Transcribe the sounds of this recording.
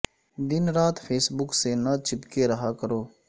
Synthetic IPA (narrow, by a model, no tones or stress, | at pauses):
d̪ɪnɾaːt̪pʰeːsbʊkseːnaːt͡ʃɪpkeːɾəɦaːkəɾoː